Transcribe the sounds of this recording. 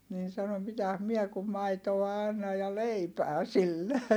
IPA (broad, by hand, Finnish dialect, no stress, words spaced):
niːn sɑno mitæs miɛ kum mɑitoɑ ɑnːɑj̆ jɑ leipæː silːe